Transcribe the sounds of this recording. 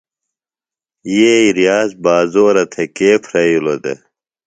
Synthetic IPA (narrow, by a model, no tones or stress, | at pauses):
jeiɾijaːzbaːzoːɾɐt̪ʰɐkeːpʰɾɐjulod̪ḛ